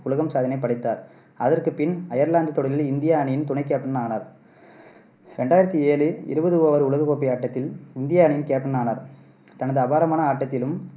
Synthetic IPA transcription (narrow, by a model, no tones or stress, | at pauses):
ʊɭɐɣɐmsaːðɐnɐɪpːɐɽɪt̪ːaːɾ | ɐðɐrkɯpɪnɐjɐɾlaːnd̪ɯt̪ːɔɽɐlɪlɪnd̪ɪjaɐnɪjɪnt̪ʊɳɐɪkːeːʈːɐnaːnaɾ | ɾɛɳɖaːjɪɾɐt̪ːieːlɯɪ̰ɾɯbɐðɯʋoːʋɐɾɯʊlɐɣɐkoːpːijaːʈːɐt̪ːɪlɪnd̪ɪjaːɐnɪjɪnkeːʈːɐnaːnaɾ | t̪ɐnɐðɯɐbaːɾɐmaːnɐaːʈːɐt̪ːɪlɯm